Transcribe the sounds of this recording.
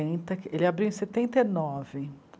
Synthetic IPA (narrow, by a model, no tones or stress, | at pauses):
ẽnt̪ɐelɪabɾiwẽset̪ẽnt̪enɔvɪ